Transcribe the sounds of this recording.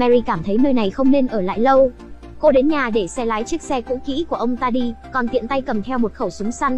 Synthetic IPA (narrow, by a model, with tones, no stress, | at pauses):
mɛ˧ɾi˧kaː˧˩mt̪ʰə˨˦jnəː˧jna˨˩jxə˧wŋ͡mne˧nʔəː˧˩la̰ː˧˨jlə˧w | ko˧ɗe˨˦nɲaː˨˩ɗe˧˩sɛ˧laː˨˦jt͡ɕi˦˥ək̚sɛ˧kṵ˧˥kḭ˧˥ku˧˩əʔə˧wŋ͡mt̪aː˧ɗi˧kɔ˨˩nt̪ḭ˧˨nt̪a˧jkə˨˩mt̪ʰɛ˧wmo˨˩t̚xə˧˩wsʊ˨˦ŋ͡msa˧jŋ̟